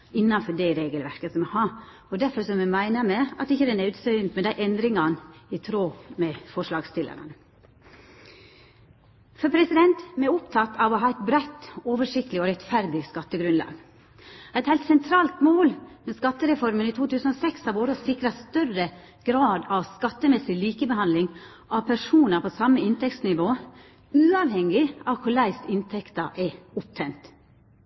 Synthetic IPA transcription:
ɪnːɑnfɔɖɛɾeːɡəlʋæɾkəsɔmɛhɑ | ɔd̪æɾfɔɾsɔmɛmæɪnəmɛɑt̪ɪçːəd̪ɛnɛɾʉːt̪sœʏnt̪mɛd̪æɪʔɛnd̪ɾɪŋɑnɪt̪ʰɾoːmɛfɔʂlɑːɡst̪ɪlʔə̰ɾə̰n | fɔɾpʰɾɛsɪd̪ɛnt̪mɛʊpt̪ʰɑt̪ːɑʋɔɦɑæɪt̪bɾæɪt̪ːoːʋəʂɪkt̪əlɪɔɾɛt̪fæɾd̪ɪskɑt̪ːəɡɾʉnlɑ̰ːɡ | æɪt̪hæɪlt̪sɛnt̪ʰɾɑːlt̪moːlmɛskɑt̪ːəɾɛfɔɾməniːt̪ʰuːt̪ʉːsən̩oːsɛkshɑɾʋoːɾəsɪkɾɑst̪œrə | ɡ̥ɾɑːd̪ɑʋskɑt̪ːəmɛsɪliːkəbəhɑnd̪lɪŋ | ʔɑʋpʰæʂuːnɑpʰosɑməɪnt̪ʰɛkt̪snɪʋoː | ʉːɑʋhɛŋɪɑʋkʰʊɭæɪst̪ɪnt̪ʰɛkt̪ɑʔɛʊp̚t̪ʰɛɪnt̪

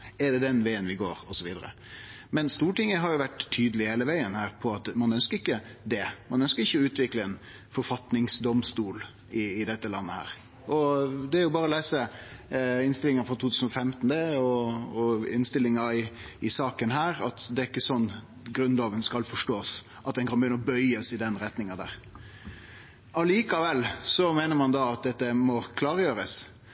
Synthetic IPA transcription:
ɛɖɛd̪ɛnʋæɪənʋɪɡoːɾɔsɔʋiːd̪əɾə̰ | mɛnst̪uːʈɪŋːəɦɑɾjʊʋæʈ̪ʰːyːd̪əlɪheːləʋæɪənhæːɾpʰɔɑt̪mɑnœnskəɾɪkːəd̪ɛmɑnœnskəɾɪçːəɔʉːt̪ʋɪkləɛn | fɔɾfɑt̪nɪŋsd̪ɔmst̪uːl | ɪːd̪ɛt̪ːəlɑnːəhæ̰ːɾ | ɔd̪ɛæɾjʊbɑːɾəɔleːsə | ɪnst̪ɪlɪŋɑfɾɔt̪ut̪ʰʉːsn̩ɔfɛmt̪nd̪ɛɔɔɪnst̪ɪlːɪŋɑɪ | ɪsɑːkənɦæːɾɑt̪d̪ɛæɾɪkːəsɔnː | ɡɾʉnd̪lɑːʋənskɑlfɔʂʈoːs | ʔɑt̪̚d̪ɛnkʰɑnbəjʏnəɔbœʏəsɪd̪ɛnɾɛt̪nɪŋɑd̪æ̰ːɾ | ɑliːkɑʋɛlːsɔmeːnəɾmɑnd̪ɑɑt̪̚d̪ɛt̪ːəmɔkʰlɑːɾjøːɾəs

